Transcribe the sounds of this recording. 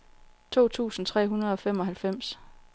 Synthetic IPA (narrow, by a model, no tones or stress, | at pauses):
t͡sʰo̝̰ːt͡sʰṵːsn̩t͡sʰʁɛ̰ːɦunɐð̞̩ˠɒ̽fem̰ɒ̽ɦælfem̰s